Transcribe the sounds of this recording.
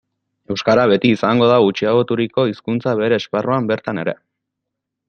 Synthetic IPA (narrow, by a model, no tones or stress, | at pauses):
e̞wskaɾaβe̞t̪iːsaŋɡo̞ð̞aut͡ʃiaɣot̪uɾiko̞iskunt͡saβe̞ɾe̞ːsparuambe̞ɾt̪ane̞ɾe̞̰